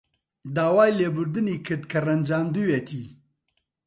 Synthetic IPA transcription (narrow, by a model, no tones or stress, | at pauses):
d̪aːwaːjlebuɾd̪ɨnikʰət̪kʰɐɾɐnd͡ʒaːnd̪uwet̪ʰi